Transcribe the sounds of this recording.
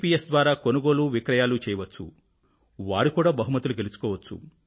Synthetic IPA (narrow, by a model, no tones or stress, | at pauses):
piːesd̪ʋaːɾaːkonuɡo̞ːluːʋikɾɐjaːlut͡ʃɛːjɐʋɐt͡ʃːṵ | ʋaːɾikuːɽaːbɐɦumɐt̪ːuluɡelisu̥kɔːʋɐt͡ʃːṵ